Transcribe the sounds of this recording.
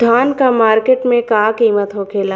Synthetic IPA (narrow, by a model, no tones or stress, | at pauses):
d̪ʱaːnkamaːɾkeːʈmẽkaːkiːmət̪ɦokʰeːlaː